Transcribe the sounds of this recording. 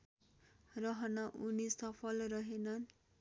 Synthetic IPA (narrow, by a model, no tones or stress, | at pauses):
rʌɦʌnʌʔunisʌpʰʌlrʌɦenʌn